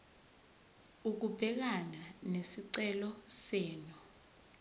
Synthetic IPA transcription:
uk̬ub̥ʱɛk̬ananesiǀɛlɔsɛːnu

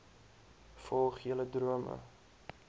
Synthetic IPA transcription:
fɔlˠχiələdruəmə̰

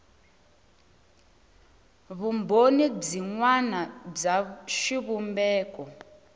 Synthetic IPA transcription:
βumbonib͡ʐiŋwanab͡ʐaʃiβumbɛːkʼɔ

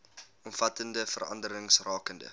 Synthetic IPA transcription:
ɔmfɐtəndəfə̰rɐ̰ndəɾəŋsrɑːkəndə̰

